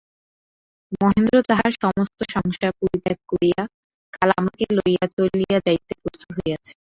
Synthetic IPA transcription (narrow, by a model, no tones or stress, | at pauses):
moɦend̪ɾot̪aɦaɾʃɔmost̪oʃɔŋʃapuɾit̪ak̚koɾija | kalamakelojat͡ɕolijad͡ʑait̪ːepɾost̪u̥ɦoeat͡ɕʰe̥